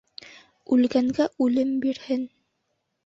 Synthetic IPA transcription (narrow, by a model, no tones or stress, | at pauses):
ʉlɡæŋɡæʔʉlɘmbiɾhɘn